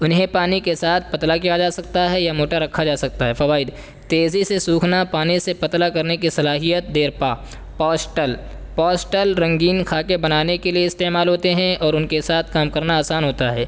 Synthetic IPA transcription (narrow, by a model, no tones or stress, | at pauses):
ʊnɦẽpaːnikesaːt̪ʰpɐt̪lakijad͡ʒaːsɐk̚t̪aɦɛjamoːʈaɾɐkʰad͡ʒaːsɐk̚t̪aɦɛfɐʋaːɪd̪ | t̪eːzisesuːkʰnapaːnisepɐt̪lakɐɾnekisɐlaːɦijət̪̚d̪eːɾpaː | pɔːsʈəl | pɔːsʈəlɾɐ̃ŋɡiːnkʰaːkebɐnaːnekelieɪst̪eːmaːlɦoːt̪eɦɛ̃ʔɔːɾʊnkesaːt̪ʰkaːmkɐɾnaaːsaːnɦoːt̪aɦɛː